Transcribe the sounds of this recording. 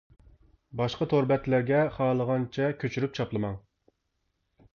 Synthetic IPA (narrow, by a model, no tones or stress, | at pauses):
bɑʃqɑt̪ʰoɾbɛt̪læɾɡʲɛχɑːlˠəʁɑnt͡ʃʰɛkʲʰøt͡ʃʰyɾyp̚t͡ʃʰɑplˠɨmɑŋ